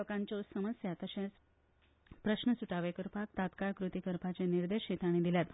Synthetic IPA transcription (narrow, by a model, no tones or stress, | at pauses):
kãɲt͡ɕousəməsjat̪əɕãt͡s | pɾəɕnəsuʈaʋekəɾpak̚t̪at̪kaɭkɾut̪ikəɾpat͡ɕeniɾd̪eɕet̪aɽ̃id̪iljat̪